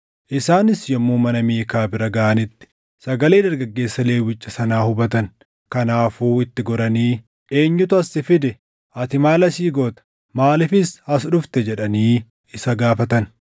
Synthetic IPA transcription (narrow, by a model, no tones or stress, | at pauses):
ʔɪsaːnɪsjɔmːuːmɐnɐmeːkaːbɪɾɐɡɐʔɐnɪt̪ːɪ̥ | sɐɡɐleːd̪ɐɾɡɐɡːe̞ːsːɐle̞ːwɪt͡ʃʼːɐsɐnaːhʊbɐt̪ɐn | kɐnaːfuːɪt̪ːɪɡɔɾɐniː | e̞ːɲːʊt̪ʊɐsːɪfɪd̪ɛ | ʔɐt̪ɪmaːlɐsiːɡoːt̪ɐ̥ | maːlɪfɪshɐsᶑʊft̪ɛd͡ʒɛᶑɐniː | ɪsɐɡaːfɐt̪ɐn